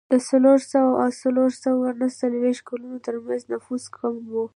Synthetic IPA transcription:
d̪əsaloɾsawaʔasaloɾsawaanəsalwext̪̚kalunot̪əɾmanznafuskʰamwo

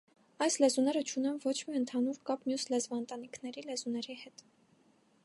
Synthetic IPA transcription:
ɑjslɛzunɛɾət͡ʃʰunɛmvɔt͡ʃʰmiənt̪ʰɑnuɾkɑpmjuslɛzvɑənt̪ɑn̪ikʰnɛɾilɛzunɛɾihɛt̪

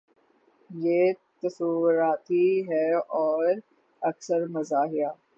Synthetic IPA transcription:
jeːt̪ɐsuːɾaːt̪iɦɛːɔːɾ | ɐksəɾmɐzaːɦɪjaː

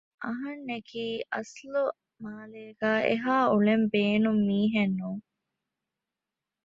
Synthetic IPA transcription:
ʔɐɦɐnːekiːʔɐslu | maːleːɡæːʔḛɦaːuɭembeːnumːiːɦenːuːŋ

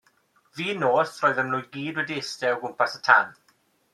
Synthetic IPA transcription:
viːnoːsrɔːjðənmlʊːjɡiːdwɛdiɪstɛəwɡʊmpasətʰan

